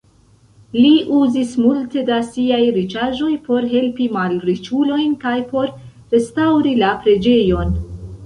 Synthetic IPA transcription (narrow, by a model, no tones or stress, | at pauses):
liʔuzismulte̞dasiajɾit͡ʃaʒo̞jpo̞ɾɦe̞lpimalɾit͡ʃulo̞jnkajpo̞ɾ | ɾe̞stawɾilapɾe̞d͡ʒe̞jo̞n